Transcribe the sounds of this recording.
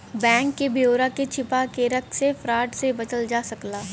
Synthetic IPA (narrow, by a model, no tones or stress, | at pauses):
bɛ̃ːŋkːebʱijoːɾaket͡ʃʰɪpakeɾɐkʰsefɾaːʈsebɐt͡ʃəld͡ʒaːsɐklaː